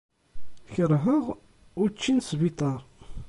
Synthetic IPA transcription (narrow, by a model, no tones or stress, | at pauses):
çəɾɦəʁ | ʊɾt͡ʃːinsbit̪ˤɑɾˤ